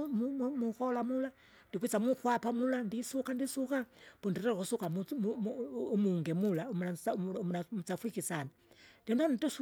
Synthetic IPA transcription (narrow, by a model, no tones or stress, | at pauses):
mumumukɔlamula | ndipit͡samukwapamulandisukandisukapundiɾɛɾkusukamumumuŋɡɛmulaumamunamut͡safwikisana | dɛnanitus